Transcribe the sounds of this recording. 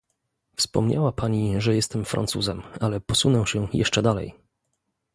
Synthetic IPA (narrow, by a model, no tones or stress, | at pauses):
fspɔ̰mɲawapaɲiʐɛjɛst̪ɛmfɾʔa̰nt̪sṵzɛmalɛpɔsunɛ̃ɕɛjɛ̰ʂt͡ʂɛd̪alɛ̰j